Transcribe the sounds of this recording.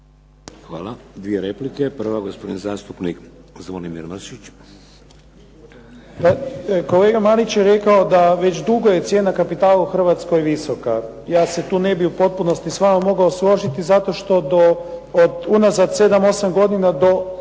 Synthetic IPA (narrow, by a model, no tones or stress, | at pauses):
xʋa̰ːlad̪ʋieɾeplikepr̩ʋaɡospod̪inzaːst̪upnikzʋonimḭɾnoʃit͡ʃ | pako̞le̞ːɡamalit͡ɕjeɾe̞kaod̪aʋe̞t͡ɕd̪uɡo̞je̞t̪sje̞ːnakapit̪aːlauxr̩ʋat̪sko̞jiʋiso̞ka | jaːse̞t̪uːnebiupo̞t̪̚puno̞st̪isʋamomo̞ɡaoslˠo̞ʒit̪izat̪o̞ʃt̪o̞d̪o̞ːd̪unazad̪se̞d̪amo̞samɡo̞d̪inad̪o̞